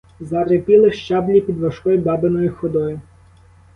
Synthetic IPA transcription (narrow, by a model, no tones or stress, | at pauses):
zɐɾɪpʲilˠɪʃt͡ʃɑblʲipʲid̪ʋɐʃkɔjibɑbɪnɔjʊxɔd̪ɔjʊ